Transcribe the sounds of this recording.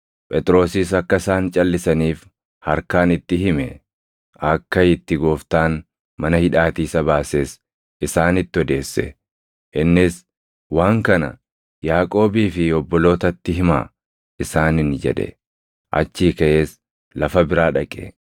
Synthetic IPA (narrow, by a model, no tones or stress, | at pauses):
pʼɛt̪ʼɾo̞ːsɪsɐkːɐɪsaːnt͡ʃʼɐlːɪsɐniːf | hɐɾkaːnɪt̪ːɪɦɪmɛ | ɐkːɐɪt̪ːɪɡo̞ːft̪aːn | mɐnɐhɪᶑaːt̪iːsɐbaːseːs | ɪsaːnɪt̪ːɪɔd̪e̞ːsːɛ̰ | ʔɪnːɪs | waːŋkɐnɐ̰ | jaːkʼo̞ːbiːfɪɔbːɔlo̞ːt̪ɐt̪ːɪɦɪma̰ː | ɪsaːnɪnd͡ʒɛ̰ᶑɛ̰ | ʔɐ̰t͡ʃːiːkɐʔeːs | lɐfɐbɪɾaːᶑɐkʼḛ